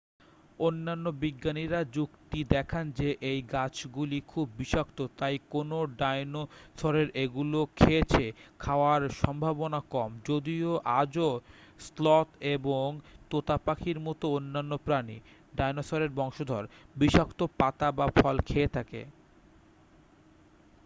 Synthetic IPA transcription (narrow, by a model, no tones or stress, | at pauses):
onːanːobiɡːaniɾad͡ʑukt̪id̪ɛkʰand͡ʑeʔejɡat͡ɕɡulikʰubːiʃak̚t̪ot̪ajkonoɖajnosʰɔɾeɾʔeɡulokʰet͡ɕʰekʰaoaɾʃɔmbʱabonakɔmd͡ʑod̪ioʔad͡ʑoslɔt̪eboŋt̪ot̪apakʰiɾmɔt̪oonːanːopɾanḭ | ɖajnosɔɾeɾbɔŋʃod̪ʱɔɾbiʃakt̪opat̪abafʰɔlkʰeet̪ʰakḛ